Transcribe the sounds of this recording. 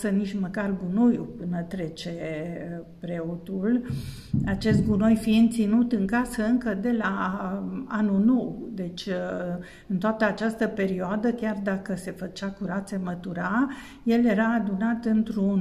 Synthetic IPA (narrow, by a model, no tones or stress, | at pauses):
sənit͡ʃməkarɡunojupɨnət̪ɾe̞t͡ʃe̞ | pɾe̞ot̪ul | at͡ʃe̞st̪̚ɡunojfiɨnt̪sinut̪ɨŋkasəɨŋkəd̪e̞la | anunowd̪e̞t͡ʃʲ | ɨnt̪oat̪əat͡ʃast̪əpe̞ɾioad̪əkʲard̪akəse̞fət͡ʃakuɾat̪se̞mət̪uɾa | je̞lje̞ɾaːd̪unat̪ɨnt̪ɾun